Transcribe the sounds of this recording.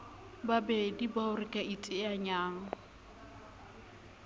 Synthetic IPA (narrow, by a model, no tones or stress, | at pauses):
babɛdibaʊɾɪkʼaitʼɪaɲaːŋɔ